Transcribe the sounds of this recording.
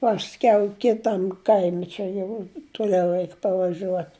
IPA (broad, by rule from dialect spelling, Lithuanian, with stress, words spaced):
ˈpɑːsʲkʲɛʊ ˈkʲɪtɐm ˈkɐɪmʲɪ ˈt͡ʃʲɛ jɛʊ tʊˈlʲɛʊ ˈrʲɛɪk pɐʋɐˈʒʲuɔt